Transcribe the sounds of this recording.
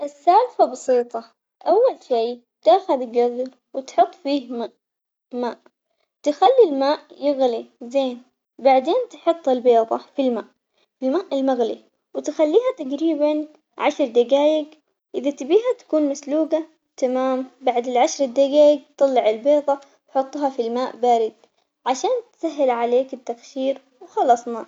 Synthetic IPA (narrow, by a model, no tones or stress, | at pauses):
ʔɪsːaːlfabɑsiːt̪ˤɑ | ʔawːalʃeː | t̪aːxaðɡazɾ | wɪt̪ħʊt̪ˤːfiːhma | maːʔ | t̪ɪxalːilmaːʔjɪɣlizeːn | baʕd̪eːnt̪ħʊt̪ˤːɪlbeːðˤɑ̰filmaːʔ | filmaːʔɪlmaɣlḭ | wɪt̪xalːiːɦat̪aqɾiːban | ʕaʃɾˤd̪aɡaːjɪɡ | ʔɪðat̪ɪbiːɦat̪ḁkuːnmasluːɡa | t̪amaːmbaʕd̪ɪlʕaʃɾˤɪd̪aɡaːjɪɡ̚t̪ˤɑlːɪʕɪlbeːðˤɑ | t̪ħʊt̪ˤːɦɑfilmaːʔbaːɾɪd̪ | ʕaʃaːnt̪saɦːɪlʕaleːkɪt̪ːaxʃiːɾ | wxɑlɑsˤna